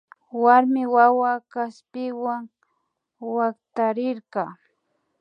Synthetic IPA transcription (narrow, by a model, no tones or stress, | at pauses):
waɾmɪwawakaspɪwaŋ | wakt̪aɾɪɾqɑ